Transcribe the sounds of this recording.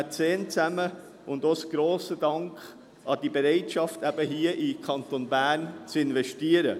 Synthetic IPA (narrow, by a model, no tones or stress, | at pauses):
t͡seːnt͡sæmə | ʔʊndosɡ̥ɾoːsədɑŋkχ | ɑd̥ibeɾɛɪtʃɑftæb̥əɦiəʔɪkʰɑntonbæːnt͡sɪnvɛʃtiəɾə